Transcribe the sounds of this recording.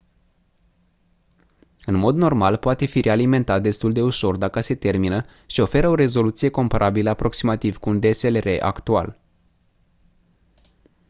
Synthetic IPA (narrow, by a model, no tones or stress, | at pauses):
ɨnmo̞d̪no̞rmalpoat̪e̞fiɾʔe̞alime̞nt̪at̪̚d̪e̞st̪uld̪e̞uʃo̞rd̪akəse̞t̪e̞rminə | ʃio̞fe̞ɾəo̞ɾe̞zo̞lut̪sijeko̞mpaɾʔabiləapɾo̞ksimat̪iv̥kuːnd̪eselre̞ʔa̰kt̪ua̰l